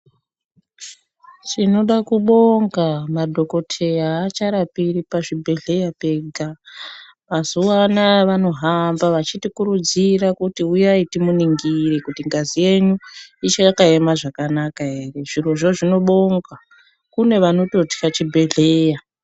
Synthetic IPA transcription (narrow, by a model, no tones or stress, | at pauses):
t͡ʃino̞ɗakuɓo̞ŋɡamadʱo̞ko̞tʰe̞jaːt͡ʃaɾapiɾipaʐibʱe̞ɮe̞jape̞ɡʱa | ʋazuwanaʋano̞ɦambaʋat͡ʃitikuɾud͡ziɾakutiujaitimuniŋɡiɾikutiŋɡazije̞ɲuit͡ʃajakaemaʐakanakaɦe̞re̞ʐiro̞ʐo̞ʐino̞ɓo̞ŋɡa | kune̞ʋano̞to̞ti̥kat͡ʃibʱe̞ɮeːja